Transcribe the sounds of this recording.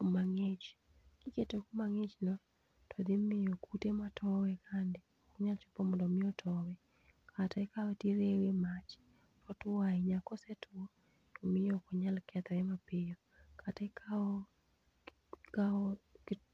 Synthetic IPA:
maŋet͡ʃ | kɪketokumaŋet͡ʃnɔ | tʰɔd̪ɪmɪjɔkutematʰɔwɛkʰandɪ | ɔkɲalt͡ʃɔ̥pɔmɔndɔmɪjɔtʰɔwɛ | kʰatɛkawɛtiɾewemat͡ʃ | ɾɔtʊwaiɲakɔsɛtʊɔ | ɔmɪjɔkɔɲalkʰɛt̪ɛmapɪjɔ | kʰatɛkaɔ | kak

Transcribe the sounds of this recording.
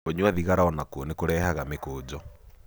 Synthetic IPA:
oɲwaðiɣaɾaɔnakuɔnekoɾɛːhaɣamekoːd͡ʑɔ

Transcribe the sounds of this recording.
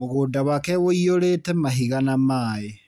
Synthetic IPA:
moɣoːdawakɛwoioɾetɛmaɦiɣanamaːe

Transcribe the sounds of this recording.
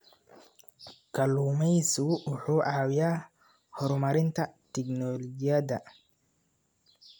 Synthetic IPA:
kʰɐluːmɛjsʊʔʊħuːʔaːwɪjaː | hɔɾmɐɾɪnt̪ʰɐt̪ʰɛknɔlɔd͡ʒɪjɐd̪ɐ

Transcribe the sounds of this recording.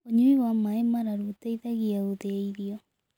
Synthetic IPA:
oɲuiwamaemaɾaɾuteiðaɣiaoðeiɾiɔ

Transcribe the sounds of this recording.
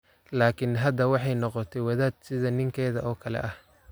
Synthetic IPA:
laːkʰɪnɦɐd̪ɐwɑħɑjnɔqɔt̪ʰɛjwɐðaːd̪̚sɪðɐnɪŋkʰɛːðɐʔɔːkʰɐlɛ̰ʔɐh

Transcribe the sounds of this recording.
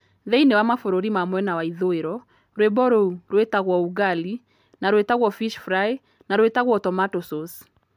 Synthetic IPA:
ðeinewamafoɾoɾimamwɛnawaiðoeɾɔ | ɾwebɔɾouɾwetaɣwɔuɣali | naɾoetaɣwɔfiʃfɾae | naɾoetaɣwɔtɔmatosos

